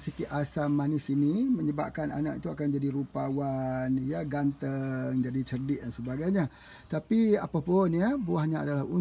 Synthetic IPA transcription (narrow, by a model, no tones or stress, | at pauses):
sikiʔʔasamːanɪsiniməɲəbap̚kana̰na̰ʔit̪uakand͡ʒadiɾupawanjaɡant̪əŋd͡ʒadit͡ʃərdɪʔ̚dansəbaɡajɲa | t̪apia̰papʊnabuahɲaa̰dalaɦu